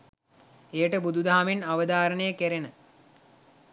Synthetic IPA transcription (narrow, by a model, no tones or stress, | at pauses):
ejəʈəbud̪ʱud̪aɦamenaʋəd̪aːɾənəjəkeɾenə